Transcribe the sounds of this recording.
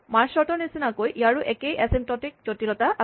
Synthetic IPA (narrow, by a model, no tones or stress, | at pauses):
maɹsɔɹtɔnisinakojʔijaɹuʔɛkejʔɛsemtɔtik̚d͡ʑotilɔt̪aʔa